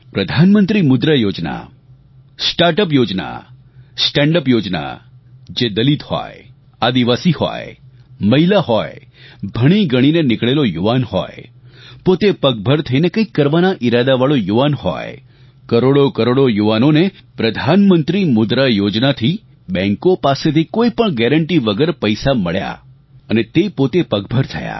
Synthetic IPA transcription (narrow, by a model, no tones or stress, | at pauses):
pɾəd̪ʱanmənt̪ɾimʊd̪ɾəjod͡ʒna̰ | sʈaɾʈəpjod͡ʒna̰ | sʈɛ̃ɳɖəpjod͡ʒna̰ | d͡ʒed̪əlit̪hɔ̰je | ad̪iʋasihɔ̰jməɦilahɦɔjbʱəɽ̃iɡəɽ̃inenɪkɭelojuʋanhɔ̰jpot̪epək̚bʱəɾt̪ʰəinekəikːəɾʋanaʔiɾad̪aʋaɭojuʋanhɔ̰j | kəɾoɽokəɾoɽojuʋanonepɾəd̪ʱanmənt̪ɾimʊd̪ɾajod͡ʒnat̪ʰi | bɛ̃ŋkopaset̪ʰikoipəɳɡɛɾəɳʈiʋəɡəɾpəjsaməɭja̰ | ənet̪epot̪epəkbʱəɾt̪ʰəja̰